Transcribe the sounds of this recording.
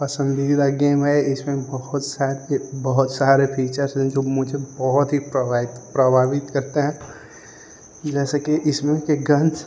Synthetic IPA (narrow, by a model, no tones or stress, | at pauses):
pɐsə̃nd̪id̪aɡeːmɛɪsmẽbɐɦʊt̪saːɾbɐɦʊt̪saːɾepʰiːt͡ʃəɾsɦɛ̃d͡ʒoːmʊd͡ʒʱebɔɦʊt̪ɦipɾɪt̪pɾɐbʱaːʋɪt̪kɐɾt̪eɦɛ̃ː | d͡ʒɛːsakiʔɪsmẽkeɡɐ̃n